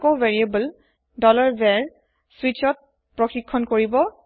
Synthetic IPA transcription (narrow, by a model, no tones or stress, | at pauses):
koveɹiebəl | dɔlaɹbɛɹ | sɹit͡ʃɔt̚ | pɹɔxikʰːɔnkoɹibɔ